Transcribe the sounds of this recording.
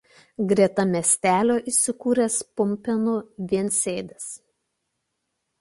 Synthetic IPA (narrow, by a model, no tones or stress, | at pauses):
ɡɾʲiɛt̪ɐmʲɛsʲt̪ʲæːlʲoːʔiːˑsʲɪkuːɾʲespʊmʲpʲɛnʊʋʲiɛnʲsʲeːd̪ʲɛs